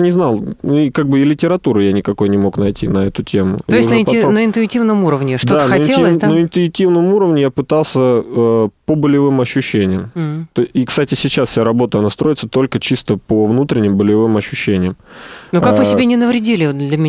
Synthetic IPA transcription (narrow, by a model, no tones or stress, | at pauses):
nʲɪznɑlˠnuɪkaɡ̚bɨɪlʲɪtʲɪɾɐt̪uɾɨjanʲɪkɐko̞jnʲɪmo̞knɐjtʲinɐɛt̪ʊtʲʰemʊ̰toɪstʐnəɛɪnəɪnt̪ʊɪtʲivnəmuɾəvnʲɪʂtd̪oaənxɐɪtnelˠəznəɪnt̪ʊɪtʲivnəmuɾəvnʲɪjapɨt̪alˠsʲə | pəbəlʲɪvɨmɐɕːʊɕːenʲɪjəmt̪oikst̪atʲɪsʲɪt͡ɕasfsʲɪaɾɐbo̞t̪əɐnast̪ɾo̞jɪt̪sət̪o̞lʲkət͡ɕist̪əpəvnut̪ɾʲɪnʲːɪmbəlʲɪvɨmɐɕːʊɕːenʲɪjəmnokakvɨsʲɪbʲenʲɪnəvɾʲɪdʲilʲɪd̪lʲɐmʲɪ